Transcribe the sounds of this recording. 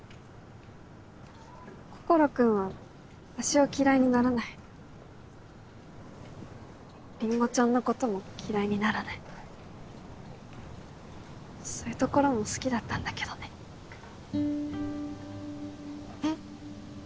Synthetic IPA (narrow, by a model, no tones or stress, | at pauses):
ko̞̥ko̞ɾo̞kɯ̟̃ɰ̃β̞a | aɕio̞kʲiɾaiɲ̟inaɾanai | ɾʲĩŋɡo̞t͡ɕõnːo̞ko̞t̪o̞mo̞kʲiɾaiɲ̟inaɾanai | so̞ːjɯ̟t̪o̞ko̞ɾo̞mo̞sɨ̥kʲid̪at̪ːãnd̪ake̞d̪o̞ne̞